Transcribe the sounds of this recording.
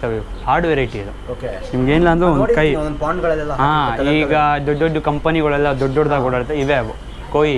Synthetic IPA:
t̪ɐʋe | haːɾɖʋeɾɐjʈiɐd̪uokenimɐɡeːnilːɐɐnd̪ɾuonkɐjpaːɳɖɡɐɭɐlɛlːɐaːiːɡɐd̪ɔɖːɔɖːukɐmpɐniɡɐɭɛlːɐd̪ɔɖːɔɽd̪aɡɔɽaːɾt̪ːeiʋeʋu | koːji

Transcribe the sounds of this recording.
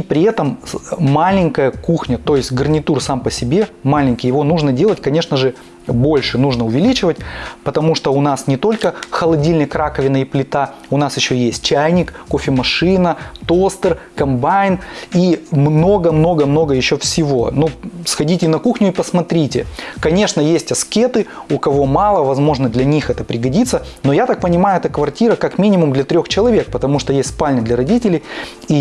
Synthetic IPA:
ipɾʲɪɛt̪əmːalʲɪŋʲkəjəkuxnʲət̪o̞jɪsʲtʲɡərnʲɪt̪ursampəsʲɪbʲe̞malʲɪnʲkʲɪjɪvo̞nuʐnədʲe̞lˠətʲkɐnʲe̞ʂnəʐɨ | bo̞lʲʂɨnuʐnəʊvʲɪlʲit͡ɕɪvətʲpət̪ɐmuʂt̪oʊnasnʲɪt̪o̞lʲkəxəlˠɐdʲilʲnəjkɾakəvʲɪnəɪplʲɪt̪aʊnasjɪɕːojesʲt̚ʲt͡ɕæjnʲɪkːofʲɪmɐʂɨnət̪o̞st̪ɨrkɐmbajnimno̞ɡəmno̞ɡəmno̞ɡəjɪɕːofsʲɪvo̰nusxɐdʲitʲɪnɐkuxnʲʊipəsmɐt̪ɾʲitʲɪkɐnʲe̞ʂnəjesʲtʲɐskʲe̞t̪ɨʊkɐvo̞mɑlˠəvɐzmo̞ʐnəd̪lʲɐnʲixɛt̪əpɾʲɪɡɐdʲit̪sənojat̪ak̚pənʲɪmajʊɛt̪əkvɐrtʲiɾəkakmʲinʲɪmʊmd̪lʲɐt̪ɾʲoxt͡ɕɪlˠɐvʲe̞k̚pət̪ɐmuʂt̪ojesʲt̪spalʲnʲɪd̪lʲɐɾɐdʲitʲɪlʲɪj | i

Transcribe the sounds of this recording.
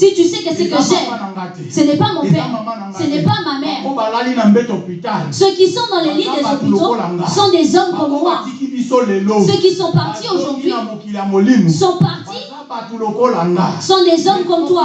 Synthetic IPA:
sit̪ysɛkəsɛkəʒɛŋɡat̪isənɛpamɔ̃fɛŋsɛnɛpamamɛʁaalinam̩bet̪opit̪alsøkisɔ̃d̪ɑ̃lɛlidɛzopit̪oŋɡsɔ̃d̪ɛzɔmkɔmwaiisolelosøkisɔ̃paʁt̪ioʒuʁd̪ɥikiamolinusɔ̃paʁt̪i | atulokolaŋɡasɔ̃d̪ɛzɔmkɔmt̪wa

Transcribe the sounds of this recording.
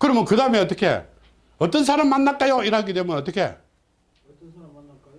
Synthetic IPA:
kɯɾʌmɯnkɯdameʌt̪̬͈ʌkʰe̞̰ | ʌt͈ʌnsʰaɾamːanːak͈ajoiɾɦaɡidwe̞munʌt͈ʌkʰe̞̰

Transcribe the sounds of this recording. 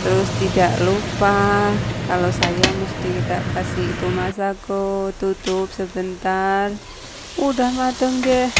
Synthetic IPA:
t̪əɾʊst̪idaʔlupahkalosajamust̪it̪a̰ʔkasiit̪umasaɡot̪ut̪ʊp̚səbənt̪ar | udahmat̪əŋɡɛh

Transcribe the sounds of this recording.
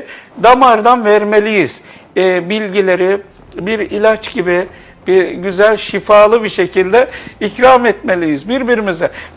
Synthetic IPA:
d̪amaɾd̪anvɛɾmelʲijiz̥ | bilʲɟilʲe̞ɾi | biɾilʲat͡ʃɟibi | biɟyzælʲʃifaːlˠɯbiʃe̞cʰilʲd̪ɛicɾamɛt̪me̞lʲijizbiɾbiɾimizɛ

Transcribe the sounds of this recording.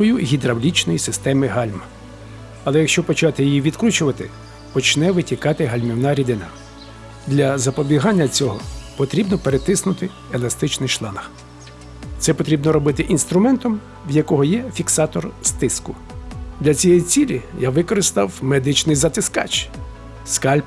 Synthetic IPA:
ɔjʊɦʲid̪ɾɐwlʲit͡ʃnɔjisɪst̪ɛmɪɦɑlʲmɐ | ɐlˠɛjɐkʃt͡ʃɔpɔt͡ʃɑt̪ɪjijiʋʲid̪kɾʲut͡ʃʊʋɐt̪ɪ̰ | pɔt͡ʃnɛʋɪtʲikɑt̪ɪɦɐlʲmʲiwnɑɾʲid̪ɪnɐ | d̪lʲɐzɐpɔbʲiɦɑnʲːɐt͡sʲɔɦɔpɔt̪ɾʲibnɔpeɾet̪ɪsnʊt̪ɪ | elˠɐst̪ɪt͡ʃnɪjʃlˠɑnɐx | t̪sɛpɔt̪ɾʲibnɔɾɔbɪt̪ɪʔinst̪ɾʊmɛnt̪ɔm | wjɐkɔɦɔjɛfʲiksɑt̪ɔrst̪ɪskʊ | d̪lʲɐt͡sʲijɛjit͡sʲilʲijaʋɪkɔɾɪst̪ɑwmed̪ɪt͡ʃnɪjzɐt̪ɪskɑ̰t͡ʃ | skɑlʲp

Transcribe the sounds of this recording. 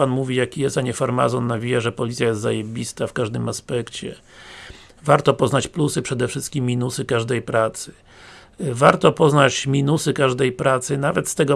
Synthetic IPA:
anmuvʲijakʲijɛst̪aɲɛfaɾma̰zɔnːavʲijaʐɛpɔlʲit̪sʲjajɛst̪za̰jebʲist̪afkaʐd̪ɘmaspɛkt͡ɕɛ̰ | vaɾt̪ɔpɔznat͡ɕplusɘpʂɛd̪ɛfʂɘst̪̚kʲimːʲinusɘkaʐd̪ɛjpɾat̪sɘ̥ | vaɾt̪ɔpɔznat͡ɕmʲinusɘkaʐd̪ɛjpɾat̪sɘnavɛt̪st̪ɛɡɔ

